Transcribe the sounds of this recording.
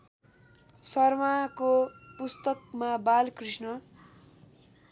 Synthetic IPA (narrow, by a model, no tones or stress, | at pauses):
sʌrmakopust̪ʌkmabalkrisnʌ